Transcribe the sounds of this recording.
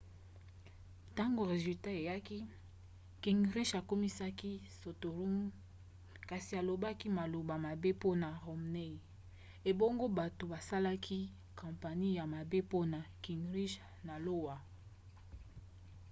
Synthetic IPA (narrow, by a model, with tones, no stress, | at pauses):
ta˦ŋɡo˨ʁe˨zy˨lta˦e˨ja˦ki˦ | ki˨ŋʁi˦ʃa˨ko˦mi˦sa˦ki˦so˨to˨lu˦ŋ | ka˨si˨a˨lo˨ba˦ki˦ma˨lo˨ba˨ma˨be˦po˦na˨ʁo˨mne˦˨ | e˨bo˦ŋɡo˦ba˨to˨ba˨sa˦la˦kʰi˦ | kã˨mpa˨ni˦ja˨ma˨be˦po˦na˨ki˨ŋʁi˦ʃ | na˨lo˦wa˨